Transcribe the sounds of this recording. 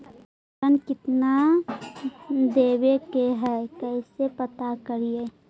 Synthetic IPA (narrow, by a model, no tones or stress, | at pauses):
ənkɪt̪na | d̪eːwekeɦɛkɛɪsepət̪akəɾije